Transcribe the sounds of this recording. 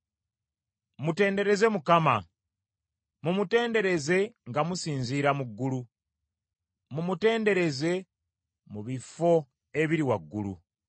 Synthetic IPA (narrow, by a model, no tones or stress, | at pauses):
mute̞ːnde̞ɾe̞ze̞mukama | mumute̞ːnde̞ɾe̞ze̞ŋɡamusiːnziːɾamuɡːulu | mumute̞ːnde̞ɾe̞ze̞ | muβifo̞ | e̞βiɾiwaɡːṵlṵ